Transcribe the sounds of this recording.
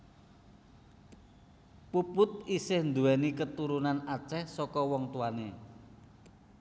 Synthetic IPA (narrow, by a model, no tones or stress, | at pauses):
pupʊt̪̚isɪhnd̪uwɛnikət̪uɾunanat͡ʃɛhsɔkɔwɔŋt̪uane